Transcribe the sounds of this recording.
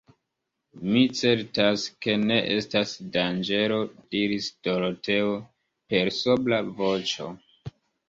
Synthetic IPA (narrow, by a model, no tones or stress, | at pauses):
mit͡se̞ɾtaske̞ne̞ʔe̞stasdand͡ʒe̞ɾo̞d̥iɾisd̥o̞lote̞o | pe̞ɾsoblavo̞t͡ʃo̞̰